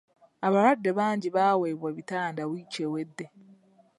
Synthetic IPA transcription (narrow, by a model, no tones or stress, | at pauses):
aβaɾadːe̞βaːɲɟiβaːweːβwaβitaːndawit͡ʃewe̞dːe